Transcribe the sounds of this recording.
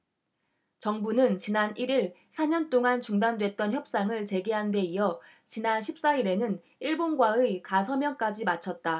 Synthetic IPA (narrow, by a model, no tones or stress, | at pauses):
t͡ɕʌŋbunɯnt͡ɕinaniɾiɭsʰaɲʌnt͈oŋant͡ɕuŋdandwe̞t̚t͈ʌnçjʌp̚s͈aŋɯɭt͡ɕe̞ɡiɦande̞ijʌ | t͡ɕinanɕʰip̚s͈aiɾe̞nɯn | iɭbonɡwaɯkasʰʌmjʌnk͈ad͡ʑimat͡ɕʰʌt̚t͈a